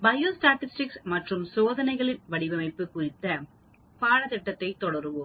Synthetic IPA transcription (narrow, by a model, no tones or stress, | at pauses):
bɐjoːsʈaːʈːɪsʈɪksmɐʈrɯmsoːðɐnɐɪɣɐɭɪnʋɐɽɪʋɐmɐɪpːɯkːʊrɪt̪ːɐ | paːɻɐt̪ɪʈːɐt̪ːɐɪt̪ːɔɽɐɾɯʋɯm